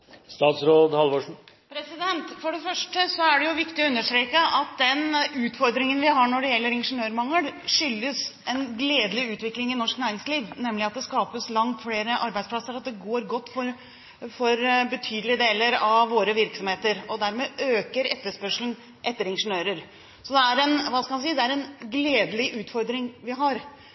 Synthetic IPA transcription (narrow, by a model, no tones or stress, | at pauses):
st̪ɑːt̪sɾoːd̪hɑlʋoʂɳ̩ | pʰɾɛsɪd̪ɛnt̪fɔɖɛfœʂʈəsɔæɖɛjʊʋɪkt̪ɪɔʉnːəʂʈt̪ɾeːkəʔɑt̪̚d̪ɛnʉːt̪fɔɾd̪ɾɪŋənʋɪhɦɑɳɔɖɛjɛlːəɾɪnʂənøːɾmɑŋːəlʂʏlːəsɛnɡleːd̪lɪʉːt̪ʋɪklɪŋɪnɔʂknæːɾɪŋsliːʋnɛmːlɪɑt̪̚d̪ɛskɑːpəslɑŋt̪fɽeːɾəʔɑɾbæɪd̪spʰlɑsəɾɑt̪̚d̪ɛɡoːɾɡɔt̪ːfɔɾ | fɔɾbət̪ʰyːd̪lɪəd̪eːləɾɑʋʋoːɾəʋɪɾksɔmheːt̪əɾɔd̪æɾmeːʔøːkəɾɛ̰t̪ːəʂpœʂlən̩ | ʔɛt̪ːəɾɪnʂənøːɾəɾ | sɔd̪ɛæɾɛnʋɑskɑmɑnsiːd̪ɛæɾɛnɡleːd̪əlɪʔʉːt̪fɔɾd̪ɾɪŋʋɪɦɑɾ